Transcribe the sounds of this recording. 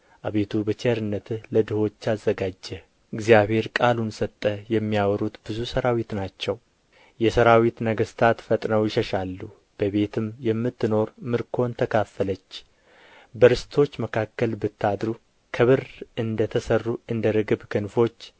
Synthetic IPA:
ʔaβe̞t̪ʰubət͡ʃeəɾɨnːət̪ləd̪ɨho̞t͡ʃːazːəɡad͡ʒːɛ | ɨɡzijaβhe̞ɾkʼalunsət̪ʼːəjɛmːijawɾut̪bɨzusəɾawit̪nat͡ʃːɛw | jɛsəɾawit̪nəɡəst̪ʰat̪fət̪ʼnəwjɪʃəʃalːu | b̥əβe̞t̪ʰɨmjɛmːɨt̪ːɨno̞ɾmɨɾkʰo̞nt̪ʰəkʰafːələt͡ʃː | bəɾɨst̪ʰo̞t͡ʃːməkʰakːəlbɨt̪ʰːad̪ɾu | kʰəβɨrɨnd̪ət̪ʰəsərːuɨnd̪əɾɨɡɨbkʰɨnfo̞t͡ʃː

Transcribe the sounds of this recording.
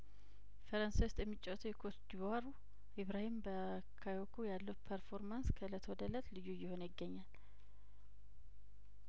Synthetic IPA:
fəɾənsajwʊst̪ʼjɛmːɨt͡ʃʼːɛwt̪ʰujɛkʰosd̪ibhaɾu | iβɾahimbə | kʰajokʰujalːəwpʰəɾfo̞ɾmanskʰələt̪ʰwɔd̪ələt̪lɨjːujɪho̞njɪɡːəɲːal

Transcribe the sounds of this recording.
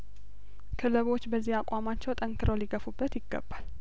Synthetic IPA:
kʰɨləβo̞t͡ʃːbəzːihakʼamat͡ʃːɛwt̪ʼəŋkʰɨɾəwliɡəfubːət̪jɪɡːə̰bːal

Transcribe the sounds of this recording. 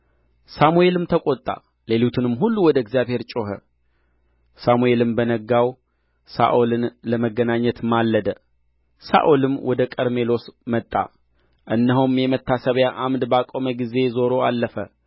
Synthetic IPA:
samue̞lɨmt̪ʰəkʼot̪ʼːa̰ | le̞lut̪ʰɨnɨmɦulːuwɔd̪əɪɡzjaβhe̞ɾt͡ʃʼo̞ɦə | samue̞lɨmbənəɡaw | sa̰ʔolɨnləməɡːənaɲːət̪malːəd̪ə | sa̰ʔolɨmːwʔɔd̪əkʼəɾme̞lo̞smət̪ʼːa̰ | ʔɨnːəɦumjɛmət̪ʰːasəβjaʔamd̪bakʼo̞məɡize̞zo̞ɾo̞alːəfə

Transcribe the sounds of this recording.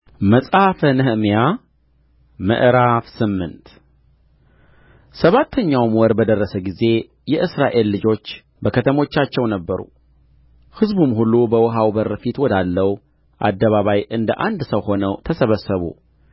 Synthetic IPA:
məsʼafənɨhmija | mɨ̰ʔɾafsɨmːɨnt̪ | səβat̪ʰːəɲːawmwɔɾbəd̪ərːəsəɡize̞ | jɛʔɨsɾaʔe̞lːɨd͡ʒo̞t͡ʃː | bəkʰət̪ʰəmo̞t͡ʃːat͡ʃːɛwnəbːəɾṵ | hɨzbumhulubəwɔɦawbəɾfit̪wɔd̪alːəw | ʔa̰d̪ːəβaβajʔɨnd̪ə̰ʔand̪səwho̞nəwt̪ʰəsəβəsːəβṵ

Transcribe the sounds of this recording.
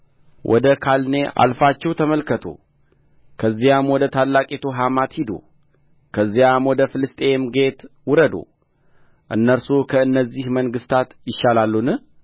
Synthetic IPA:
wʔɔ̰d̪əkʰalne̞ʔa̰lfat͡ʃːɛwt̪ʰəməlkʰət̪ʰṵ | kʰəzːijamwɔd̪ət̪ʰalːakʼet̪ʰoɦamat̪hid̪o̰ | kʰəzːijamwɔd̪əfɨlɨst̪ʼe̞mɡe̞t̪wʊɾəd̪o̰ | ʔɨ̰nːəɾsukʰəɨnːəzːihməŋɡɨst̪ʰat̪jɪʃalalːunɨ

